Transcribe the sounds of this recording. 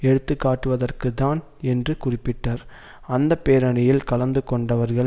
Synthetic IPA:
ɛɽɯt̪ːɯkːaːʈːɯʋɐðɐrkɯðaːn | ɛndrɯkʊrɪpːɪʈːaːɾ | ɐnd̪ɐpːeːɾɐɳɪjɪlkɐlɐnd̪ɯkɔɳɖɐʋɐɾɣɐɭ

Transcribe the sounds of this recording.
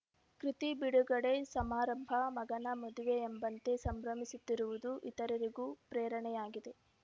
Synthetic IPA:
kɾit̪ibiɽuɡɐɽe̞sɐmaːɾɐmbʱɐmɐɡɐnɐmɐd̪uʋeːmbɐnt̪e̞sɐmbɾɐmisut̪ːiɾuʋud̪uʔit̪ɐɾɐɾiɡuːpɾɛːɾɐɳɛjaːɡid̪e̞

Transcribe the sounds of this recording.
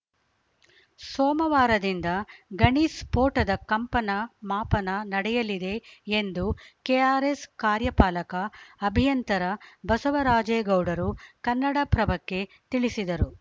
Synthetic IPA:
sɔːmɐʋaːɾɐd̪ind̪ɐɡɐɳiːspoːʈɐd̪ɐkɐmpɐnɐmaːpɐnɐnɐɽɛjɐlid̪e̞ːnd̪ukeaːɾeskaːɾjɐpaːlɐkɐːbʱijɐnt̪ɐɾɐbɐsɐʋɐɾaːd͡ʒeːɡɐwɖɐɾukɐnːɐɽɐpɾɐbɐkːe̞ | t̪iɭisid̪ɐɾu

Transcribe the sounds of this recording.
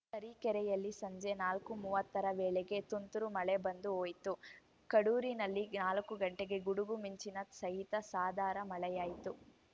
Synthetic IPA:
t̪ɐɾikɛɾɛjɐlːisɐɲd͡ʒenaːlkumuːʋɐt̪ːɐɾɐʋeːɭeɡe̞t̪unt̪uɾumɐɭɛbɐnd̪uoːjt̪u | kɐɽuːɾinɐlːinaːlɐkːuɡɐɳʈeɡe̞ɡuɽuɡumiɲt͡ʃinɐsɐɦit̪ɐsaːd̪ʱaːɾɐmɐɭɛjaːjit̪u

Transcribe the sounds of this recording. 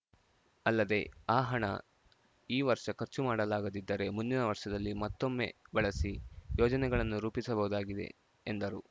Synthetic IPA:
ɐlːɐd̪e̞aːɦɐɳɐ̰ | iːʋɐɾʂɐkɐɾt͡ʃumaːɽɐlaːɡɐd̪id̪ːɐɾe̞mund̪inɐʋɐɾʂɐd̪ɐlːimɐt̪ːo̞mːe̞̰bɐɭɐsijɔːd͡ʒɐnɛɡɐɭɐnːuɾuːpisɐbɐɦud̪aːɡid̪ḛː | nd̪ɐɾu

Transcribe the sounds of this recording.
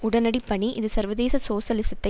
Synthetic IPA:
ʊɽɐnɐɽipːɐɳiʔɪðɯsɐɾʋɐðeːsɐsoːʃɐlɪsɐt̪ːɐ

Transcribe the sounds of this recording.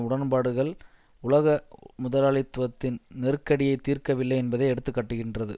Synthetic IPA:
ʊɽɐnbaːɽɯɣɐɭ | ʊlɐɣɐmʊðɐlaːɭɪt̪ːʋɐt̪ːɪnnɛrkːɐɽɪjɐɪt̪ːiːrkɐʋɪlːɐɪɛnbɐðɐɪɛɽɯt̪ːɯkːɐʈːɯɣɪndrɐðɯ

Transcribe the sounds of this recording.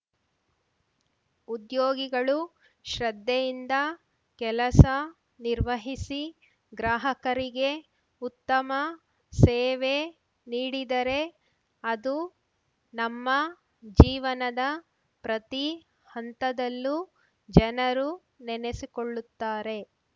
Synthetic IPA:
ud̪joːɡiɡɐɭu | ʃɾɐd̪ʱːejind̪ɐ | kɛlɐsɐ | niɾʋɐɦisi | ɡɾaːɦɐkɐɾiɡe̞ | ut̪ːɐmɐ | seːʋe̞ | niːɽid̪ɐɾe̞ | ɐd̪u | nɐmːɐ | d͡ʒiːʋɐnɐd̪ɐ | pɾɐt̪i | hɐnt̪ɐd̪ɐlːu | d͡ʒɐnɐɾu | nɛne̞sikoɭːut̪ːaːɾe̞

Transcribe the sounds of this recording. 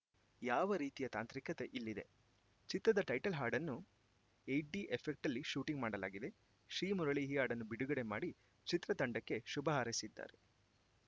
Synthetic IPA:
jaːʋɐɾiːt̪ijɐt̪a̰ːnt̪ɾikɐt̪e̞ʔilːid̪e̞̰ | t͡ʃit̪ɾɐd̪ɐʈɐjʈɐlɦaːɾɖɐnːu | ejʈ̚ɖiʔepʰek̚ʈɐlːiʃuːʈiŋɡmaːɽɐla̰ːɡid̪e̞ | ʃɾiːmuɾɐɭiɦijaːɽɐnːubiɽuɡɐɽe̞maːɽi | t͡ʃit̪ɾɐt̪ɐɳɖɐkːe̞ʃubɐɦaːɾisid̪ːa̰ːɾe̞

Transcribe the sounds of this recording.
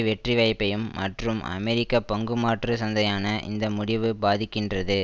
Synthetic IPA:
ʋɛʈriʋɐɪpːɐjɯmːɐʈrɯmɐ̰mɛɾɪkːɐpɔŋɡɯmaːʈrɯsɐnd̪ɐjaːnɐʔɪ̰nd̪ɐmʊɽɪʋɯbaːðɪkːɪndrɐðɯ

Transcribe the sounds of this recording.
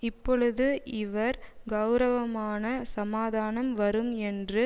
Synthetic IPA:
ɪpːɔɭɯðɯʔɪʋɐɾɡɐʊɾɐʋɐmaːnɐsɐmaːðaːnɐmʋɐɾɯmɛndrɯ

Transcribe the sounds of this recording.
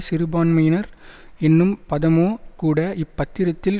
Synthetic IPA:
sɪɾɯbaːnmɐjɪnɐɾɛnːɯmpɐðɐmoːkuːɽɐʔɪpːɐt̪ːɪɾɐt̪ːɪl

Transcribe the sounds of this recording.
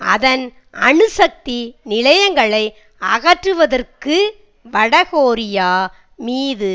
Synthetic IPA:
ɐðɐn | ɐɳɯsɐk̚t̪inɪlɐjɐŋɡɐɭɐɪ | ɐɣɐʈrɯʋɐðɐrkɯ | ʋɐɽɐɣoːɾɪjaː | miːðɯ

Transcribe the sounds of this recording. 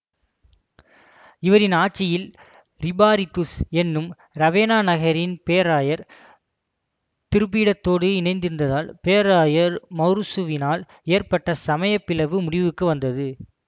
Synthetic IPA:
ɪʋɐɾɪnaːʈ̚t͡ʃːɪjɪl | ɾɪbaːɾɪt̪ːusɛnːɯm | ɾɐʋeːnaːnɐɣɐɾɪnpeːɐɾaːjɐɾ | t̪ɪɾɯp̬iːɽɐt̪ːoːɽɯɪnɐɪnd̪ɪɾɯnd̪ɐðaːlpeːɐɾaːjɐɾmɐɾsɯʋɪnaːl | eːɾpɐʈːɐsɐmɐjɐpːɪlɐʋɯmʊɽɪʋɯkːɯʋɐnd̪ɐðɯ

